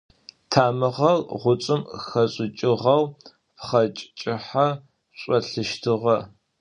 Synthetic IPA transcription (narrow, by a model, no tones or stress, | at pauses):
tʰaːmɨʁɐrʁʷʊt͡sʼɨmxɐɕʼɪt͡ʃʼɪʁɐw | pχɐt͡ʃʼt͡ʃʼɪħa | ɕʷʼɔɬɨʃtʰɨʁɐ